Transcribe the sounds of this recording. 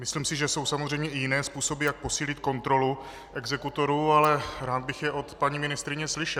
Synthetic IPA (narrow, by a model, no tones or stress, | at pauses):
mɪsliːmsɪʒɛso̞wsamozr̝ɛjmɲɛɪjɪnɛːspuːso̞bɪjak̚po̞siːlɪt̪ko̞nt̪ɾo̞lu | ʔɛɡzɛkut̪o̞ɾuːalɛɾaːd̪̚bɪxjɛʔo̞t̪paɲimɪnɪst̪ɾɪɲɛslɪʃɛ